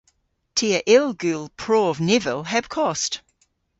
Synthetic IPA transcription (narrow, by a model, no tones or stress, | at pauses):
tʰiəʔɪlˠɡʉlˠpʰɹ̥ɔːvnɪvəlˠɦəb̥kʰɔst